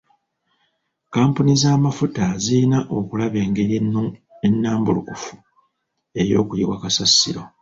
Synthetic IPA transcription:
kaːmpunizaːmafutaziinaʔo̞kulaβjeːŋɡeɾinu | enːaːmbulukufu̥ | e̞ɾjo̞̰ːkujiβwakasasːḭɾo̞

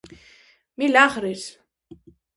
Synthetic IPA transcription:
milaχɾis

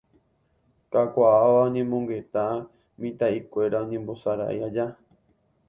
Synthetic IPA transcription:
kakʷaaʋaõɲẽ̞mõ̞ŋɡe̞t̪a | mĩt̪aikʷe̞ɾaõɲẽmbo̞saɾa̰ʔiad͡ʒa

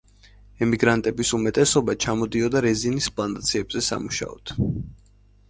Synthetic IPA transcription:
ɛmiɡɾant̪ʼɛbisumɛt̪ʼɛsɔbat͡ʃʰamɔd̪iɔd̪aɾɛzinispʼlˠant̪ʼat̪sʰiɛbzɛsa̰muʃa̰ɔ̰t̪ʰ

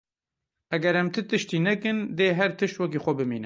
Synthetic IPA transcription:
ʔɛɡɛɾɛmt̪ʰɨt̪ɨʃt̪iːnɛkɨnd̪eːɦɛɾt̪ɨʃt̪wɛk̬ixʷɔbɨmḭːnɨ

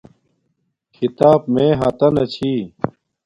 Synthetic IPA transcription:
kʰit̪aːp̚mẽːɦaːt̪ɐnɐt͡ɕʰiː

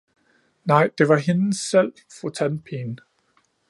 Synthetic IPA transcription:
nɑ̈ɪ̰d̥e̝ʋɑ̈ɦensel̰ | fut͡sʰænpʰiːn

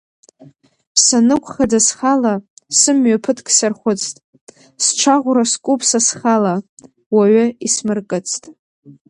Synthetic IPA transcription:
sanɨkʷʰʼχadasχalasɨmɥapʰɨtʰkʰʼsarχʷʊt͡sʰʼtʼ | sʈ͡ʂʷʰaʁʷʊɾaskʷʼupʰsasχala | waɥʊismɨrkʼɨt͡sʰtʼ

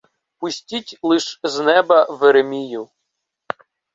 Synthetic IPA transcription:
pʊsʲtʲitʲlˠɪʃznɛbɐʋeɾemʲijʊ

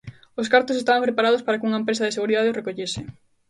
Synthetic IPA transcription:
oskaɾt̪osest̪aβampɾepaɾað̞ospaɾakuŋɐempɾesaðeseɣuɾiðaðeorekoʎesɪ

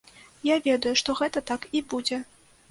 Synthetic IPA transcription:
javʲɛd̪ɐjuʂt̪ɔɣɛt̪ɐt̪akibud͡zʲɛ

